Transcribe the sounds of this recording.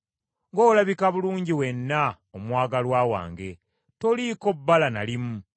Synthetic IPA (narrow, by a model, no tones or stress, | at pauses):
ŋɡoːlaβikaβuluːɲɟiwe̞nːa | omwaːɡalwaːwa̰ːŋɡe̞ | to̞liko̞bːalanalimu